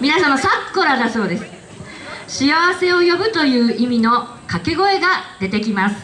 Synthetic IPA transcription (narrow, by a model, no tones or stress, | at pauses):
mʲinasãm̃ːasakːo̞ɾad̪aso̞ːd̪e̞sɨ̥ | ɕiaβase̞o̞jo̞bɯ̟t̪o̞jɯ̟ːʔimʲino̞ | kake̞ɡo̞e̞ɡad̪̥e̞t̪e̞kʲimasɨ̥